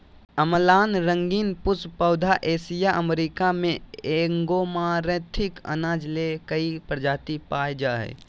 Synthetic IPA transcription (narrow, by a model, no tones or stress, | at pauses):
əməlaːnɾə̃ŋɡiːnpʊspəːd̪ʱaʔeːsijaʔəmɾikamẽeŋɡoːmaːɾẽt̪ʰɪkə̰naːd͡ʒlekəipɾəd͡ʒaːt̪ipaːjd͡ʒaːḛː